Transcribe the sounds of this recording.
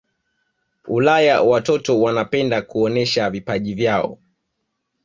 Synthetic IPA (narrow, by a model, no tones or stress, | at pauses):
ulajawatɔtɔwanapɛndakuɔnɛʃavipaʄivjaɔ̰